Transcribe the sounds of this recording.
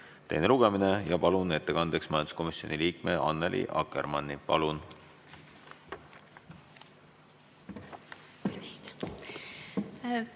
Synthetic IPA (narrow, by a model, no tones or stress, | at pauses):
t̪e̞jneluɡ̥e̞mine̞jɑpɑlune̞t̪ːe̞kɑnd̪̥e̞ksmɑjɑnd̪u̥sko̞misio̞niliːkmeʔɑnːelʔḭʔɑ̰kːḛɾmɑnːipɑlun | st̪